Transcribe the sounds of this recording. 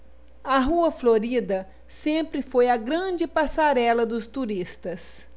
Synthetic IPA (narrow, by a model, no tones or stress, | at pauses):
ɐɦuɐfloɾid̪ɐ | sẽmpɾɪfojɐɡɾɐ̃d͡ʒɪpasaɾɛlɐd̪ʊst̪uɾist̪ɐs